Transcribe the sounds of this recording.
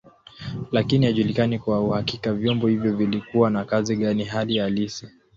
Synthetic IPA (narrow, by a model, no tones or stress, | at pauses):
lakinihaʄulikanikwauhakikavjɔmbɔhivjɔvilikuwanakaziɠaniɦalijalisi